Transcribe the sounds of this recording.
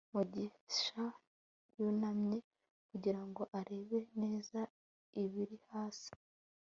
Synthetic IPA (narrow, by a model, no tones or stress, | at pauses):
muɟiʃa | jonamɲe̞ | kuɟiɾaŋɡo̞ʔaɾe̞ːβe̞ne̞ːza | iβiɾihaːsi̥